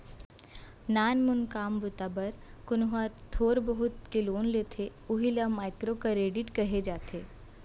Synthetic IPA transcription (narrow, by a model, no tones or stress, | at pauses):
naːnmʊnkaːmbʊt̪abɐɾ | kʊnɦaɾt̪ʰoːɾbəɦʊt̪keloːnlet̪ʰe | ʊɦilɐmaːɪkɾokaɾeːɖɪʈkɐɦed͡ʒaːt̪ʰeː